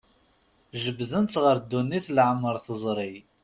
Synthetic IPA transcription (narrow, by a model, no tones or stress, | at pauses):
ʒəbðənt̪ʁəɾd̪ːunːiθlʕəmːəɾˤθəzˤɾˤi